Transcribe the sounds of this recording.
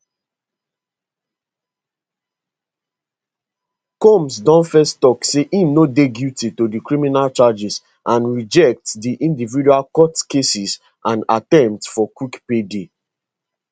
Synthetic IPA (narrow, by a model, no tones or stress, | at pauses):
kɔ̃msdɔ̃nfɛstɔkseʔĩnodeɡjutitodikɹĩminalt͡ʃad͡ʒis | ʔãnɹid͡ʒɛk̚tdiʔĩndividualkɔtkesis | ʔãnatɛ̃mptsfɔkwikpede